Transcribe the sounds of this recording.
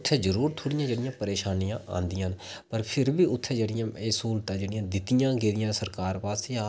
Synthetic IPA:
t̪ʰːɛːd͡ʒəɾuːɾt̪ʰoːɽɪjãːd͡ʒeːɽɪjãːpəɾeːʃaːnijãːʔã̰ːnd̪ɪjãːnpəɾpʰɪɾbiːʊt̪ʰːɛːd͡ʒeːɽɪjãːeːsuːlt̪ãːd͡ʒeːɽɪjãːd̪ɪt̪ɪjãːɡeːd̪ɪjãːsəɾkaːɾpaːst̪eːa

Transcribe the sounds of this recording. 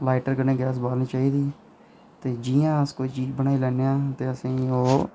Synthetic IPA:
laːɪʈəɾɡənẽːɡɛːs̬baːlniːt͡ʃaːiːd̪iː | t̪eːd͡ʒijãːəskoːiːt͡ʃiːd͡ʒbənaːilɛːneãːt̪eːəsĩːoː

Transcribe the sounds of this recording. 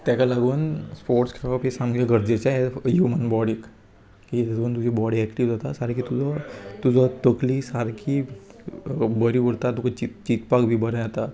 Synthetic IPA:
t̪jakalaɡuːnspoɾʈskʰɾapesamɡjaɡʱəɾd͡zet͡ɕaeɦumənbɔɽiːk | kiətuːnt̪ud͡ʑibɔɽiɛkʈiʋd͡zat̪asaɾkiːt̪ud͡zʱət̪ud͡zʱət̪əkliːsaɾkʰiː | bəɾiʋəɽt̪at̪ukat͡ɕit͡ɕit̪pakbʱiːbəɾə̃at̪a

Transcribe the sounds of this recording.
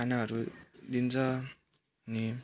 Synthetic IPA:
anaɦʌɾud̪int͡sʰʌ | ʌni

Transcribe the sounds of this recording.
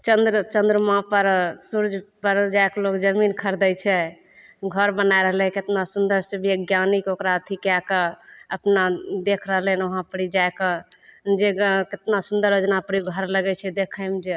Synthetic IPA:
t͡ʃənd̪ɾt͡ʃənd̪ɾəmãpəɾsuɾd͡ʒʱpəɾd͡ʒaeklokd͡ʒəminkʰəɾd̪ɛjt͡ʃʰɛ | ɡʱəɾbənaeɾəɦlɛ̃ket̪nasund̪əɾsəbʱieɡjanikokɾaət̪ʰikakeəpnad̪ekʰɾəɦlɛnoɦãpəɾid͡ʒaeked͡ʒeket̪nasund̪əɾjod͡ʒnapəɾiɡʱəɾləɡɛt͡ʃʰɛd̪ekʰəjmd͡ʒe

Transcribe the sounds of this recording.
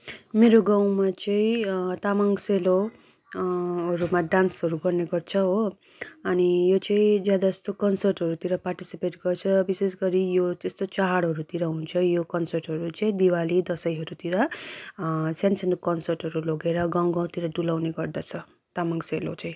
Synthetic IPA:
meɾoɡãw̃mat͡sʌĩt̪amaŋselo | ɦʌɾumaɖansɦʌɾuɡʌrneɡʌrt͡sʰʌɦo | ʌnijot͡sʌĩd͡zjad̪aʌst̪okʌnsʌrʈɦʌɾut̪iɾʌparʈisipeʈɡʌrt͡sʰʌbisesɡʌɾijot̪est̪ot͡saɦaɽɦʌɾut̪iɾʌɦunt͡sʰʌjokʌnsʌrʈɦʌɾut͡sʌĩd̪iwalid̪ʌsʌjɦʌɾut̪iɾʌ | sansʌnkʌnsʌrʈɦʌɾuloɡeɾʌɡãw̃ɡãw̃t̪iɾʌɖulawneɡʌrd̪at͡sʰʌ | t̪amaŋselo̰t͡sʌĩ

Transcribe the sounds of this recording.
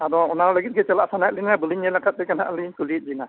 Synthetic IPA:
adɔɔnawlaɡit̪̚ɡɛt͡ʃɛlaʔsanajt̚linabuliɲɛlakat̪̚dɛkana̰ʔliɲkulit̪̚ˀzina

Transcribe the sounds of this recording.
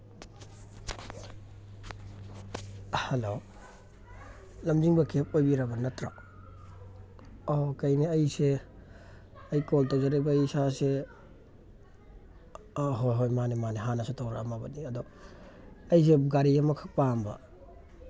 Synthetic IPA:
halo | lɐmd͡ʒiŋbɐkep̚ojbiɾabɐnɐtɾa̰ | okɐjniɐjse | ɐjkoltazaɾebɐisase | ɦojɦojmanimaneɦanasetʰawɾamabɐniɐdɔ | ɐjs̬eɡaɾijamɐkʰak̚pambɐ̰

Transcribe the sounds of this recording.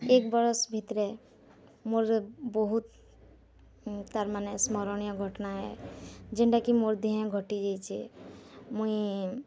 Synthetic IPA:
ekbəɾsbʱit̪ɾe | moɾbɔɦut̪ | t̪aɾmanesmɔɾɔñijɔɡʱɔʈnaɦɛ̰d͡ʒeɳɖakimoɾd̪iɦɛ̃ɡʱɔʈid͡ʒajt͡ʃʰḭ | mũĩ

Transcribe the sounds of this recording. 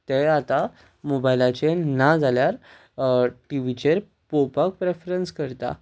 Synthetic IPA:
t̪eat̪a | mobajlat͡ɕenad͡zʱaljaɾ | ʈiʋit͡ɕeɾ | popak̚pɾefɾənskəɾt̪a̰

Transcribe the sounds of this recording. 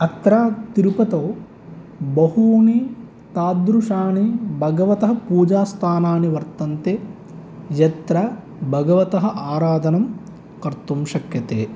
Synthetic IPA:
ɐt̪ɾaːt̪iɾupɐt̪ɐw | bɐɦuːni | t̪aːd̪ɾuʂaːɳibʱɐɡɐʋɐt̪ɐɦɐ̆puːd͡ʒaːst̪ʰaːnaːniʋɐɾt̪ɐnt̪e | jɐt̪ɾɐ | bʱɐɡɐʋɐt̪ɐɦɐ̆ʔaːɾaːd̪ʱɐnɐm | kɐɾt̪umʃɐkjɐt̪eː

